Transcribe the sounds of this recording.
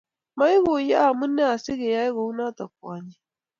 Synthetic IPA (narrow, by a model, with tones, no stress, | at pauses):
ma˦jɡo˨ja˦a˨mu˦nːe˦a˨si˦ɡe˨ja˦jɡo˨u˦na˦ta˨k̚wa˨ɲi˦